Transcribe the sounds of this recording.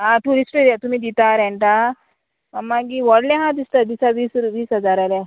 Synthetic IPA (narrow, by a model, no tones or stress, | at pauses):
ãʈuɾisʈəɾat̪umĩːd̪it̪aɾɛ̃ɳʈ̪a | mamːaɡiʋəɽljãɦãd̪ist̪ad̪isaʋiːsɾʋiːsɦəd͡zaɾala